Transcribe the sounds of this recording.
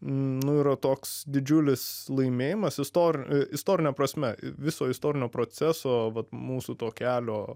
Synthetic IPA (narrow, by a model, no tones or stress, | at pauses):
nʊiːɾɐt̪oːksd̪ʲɪd͡ʒʲʊlʲɪslˠɐɪmʲeːjɪmɐsɪst̪oːɾʲɪst̪oːɾʲɪnʲɛpɾɐsʲmʲɛʋʲɪsoːɪst̪oːɾʲɪnʲoːpɾoːt͡sʲæsoːʋɐt̪muːsut̪oːkʲæːlʲoː